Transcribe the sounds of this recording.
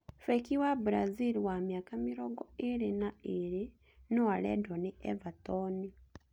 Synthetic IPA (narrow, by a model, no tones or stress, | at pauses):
fɛkiwabuɾaziliwamjakamiɾɔːɡɔeɾenaeɾe | nowalɛ̰dɔneʔɛvatɔni